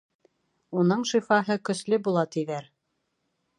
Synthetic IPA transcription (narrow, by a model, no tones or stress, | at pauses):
unɤɴʃifɑɦɤkɵ̆slɵbulˠɑt̪iðæɾ